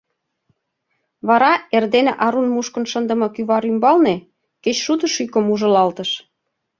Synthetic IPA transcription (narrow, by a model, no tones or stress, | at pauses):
βɑɾɑerd̪eneʔɑɾunmuʃkə̆nʃənd̪ə̆mɤ̆kyβɑɾymbɑlne | ket͡ɕʃut̪əʃykə̆muʒə̆lɑlt̪ə̆ʃ